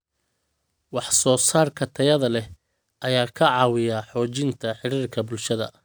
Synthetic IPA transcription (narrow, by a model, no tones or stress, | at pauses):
wɑħsɔːsaːrkʰɐt̪ʰɐjɐðɐlɛ | ʔɐjaːkʰɐʕɑːwɪjaħɔːt͡ʃɪnt̪ʰɐħɪɽiːrkʰɐbʊlʃɐðɐ̰